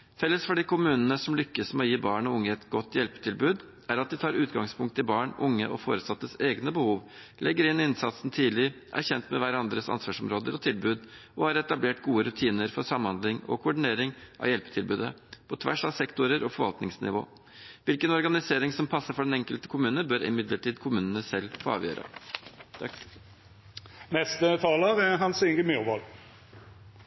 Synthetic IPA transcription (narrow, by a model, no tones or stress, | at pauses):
fɛlːəsfɔɖiːkʊmʉːnənəsɔmlʏkːəsmɛɔjiːbɑːɳɔʊŋːəɛt̪ɡɔt̪ːjɛlpə̥t̪ʰɪlbʉːd̪ | æɾɑt̪̚d̪ɪt̪ʰɑːɾʉːt̪ɡɑŋspʰʊŋkt̪ʰːɪbɑːɳʔʊŋːəʔɔ̰fo̰ːɾəsɑt̪ːəseːɡnəbəhuːʋ | lʔɛɡːəɾɪnɪnsɑt̪sn̩t̪ʰiːlɪʔæ̰ɾçɛnt̪mɛʋæɾɑnd̪ɾəsɑ̰nsʋɑʂɔmɾoːd̪əɾɔt̪ʰɪlbʉːd̪ɔhɑɾɛt̪ɑbleːʈɡuːəɾʉt̪ʰiːnəɾfɔɾsɑmːhɑnd̪lɪŋɔ̰kʰʊʊɖɪneːɾɪŋʔɑ̰ʋjɛlpə̥t̪ʰɪlbʉːd̪əpʰɔt̪ʰʋæ̰ʂɑʋsɛkt̪ʊɾəɾɔfɔɾʋɑ̰lt̪nɪŋsnɪ̰ʋo̰ː | ʋɪlkənɔɾɡɑnɪseːɾɪŋsɔmpʰɑsːəfɔɖɛnɛŋkəlt̪ə̥kʰʊmʉːnəbøːɾɪ̰mɪd̪ləʈiːd̪kʰʊmʉːnənəsɛlːfoːɑ̰ːʋjø̰ːɾʔə̰ | nɛst̪ət̪ʰɑːləʁɛɦɑnsɪŋɡəmjuʁʋɔl